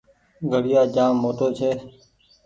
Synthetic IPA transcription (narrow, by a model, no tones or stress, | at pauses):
ɡʱəɽɪjaːd͡ʒaːmːoːʈoːt͡ʃʰeː